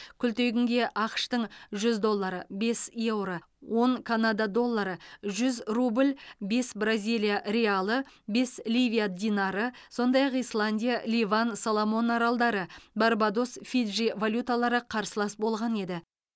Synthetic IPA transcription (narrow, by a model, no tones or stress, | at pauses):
kʲʰʏlt̪e̞ɡʲɪŋɡʲe̞ʔɑqʃt̪əɴʒʏzd̪o̞lˠːɑɾəbe̞sje̞wɾə | wʔo̞ŋkʰanad̪ad̪o̞lˠːɑɾəʒʏzrublʲbe̞sbrazʲijlʲijaɾʲealˠəbe̞slʲijvʲijad̪ʲinaɾəso̞nd̪ɑjɑqijslˠanʲdʲijalʲivansalˠomo̞naɾɑlˠd̪ɑɾəbarbad̪o̞sfid̪ʒivalʲut̪alˠɑɾəqʰɑɾsəlˠɑsbo̞lˠʁɑne̞d̪ɪ